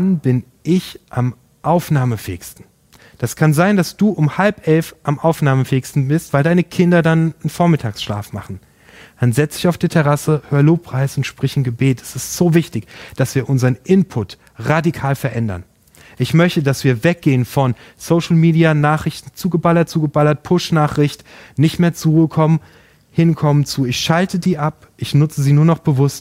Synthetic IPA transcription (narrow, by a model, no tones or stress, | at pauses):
nb̥ɪn | ʔɪçʔam | ʔaʊfnaːməfɛ̰ːɪkstn̩ | d̥askʰanzaɪndasd̥uːʔʊmhalpʔɛlfʔamʔaʊfnaːməfɛːkstn̩bɪstv̥aɪldaɪnəkʰɪndɐdanənfoːɐmɪtʰaːksʃla̰ːfma̰χn̩ | manzɛt͡sd̥ɪçaʊfd̥iːtʰɛʁasəhøːɐəloːpʁ̥aɪsʊntʃpʁ̥ɪçɪnɡəbeːtɛ̥sɪstz̥oːvɪçtɪçd̥asv̥iːɐʔʊnzəʁənʔɪnpʰʊt | ʁadikʰaːlfɛɐʔɛndɐ̰n | ʔɪçmœçtədasv̥iːɐvɛk̚ɡ̥eːənfɔnsoʊʃl̩miːdianaːχʁ̥ɪçtn̩t͡suːɡəbalɐt̚t͡suːɡəbalɐt̚pʰʊʃnaːχʁ̥ɪçtnɪçtmeːɐt͡suʁuːəkʰɔmən | hɪnkʰɔmənt͡suːɪçʃaltʰədiːʔap | ʔɪçnʊt͡səziːnuːɐnɔχb̥əvʊst